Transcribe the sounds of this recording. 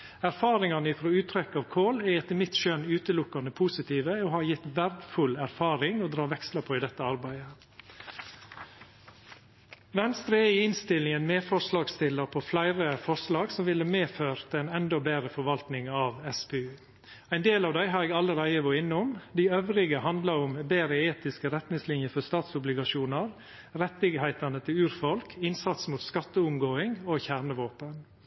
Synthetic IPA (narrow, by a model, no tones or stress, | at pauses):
æɾfɑːɾɪŋɑnəɪfɾoːʉːt̪ʰɾɛkːɑːʋkʰoːlɛɛt̪ːəmɪt̪ʃœnʉːt̪əlʊkːɑnəpʰuːsɪt̪ʰiːʋəoːhɑɾjɪt̪ʋæɾd̪fʉlæɾfɑːɾɪŋoːd̪ɾɑːʋɛkslɑpʰoːiːd̪ɛt̪ːəɑɾbæɪə | ʋɛnst̪ɾəɛiːɪnst̪ɪlɪŋənmeːfɔʂlɑːɡst̪ɪlːəɾpʰɔːflæɪɾəfɔʂlɑːɡsɔmʋɪlːəmeːføːɾt̪æɪnɛnd̪ɔbeːɾəfɔɾʋɑlt̪nɪŋɑːʋɛspʰeːʉː | æɪnd̪eːlɑːʋd̪æɪɦɑːɾeːɡɑlːəɾæɪəʋɔɪnːʊmd̪iːœʋɾɪɡəhɑnd̪lɑɾʊmbeːɾəeːt̪ɪskəɾɛt̪nɪŋslɪnjəfɔst̪ɑːt̪sʊblɪɡɑʃuːnɑɾ | ɾɛt̪ɪɡɦæɪt̪ɑnət̪ʰɪlʉːɾfɔlkʰɪnsɑt̪smuːt̪skɑt̪ːəʊmɡoːɪŋoːçæɾɳəʋoːpən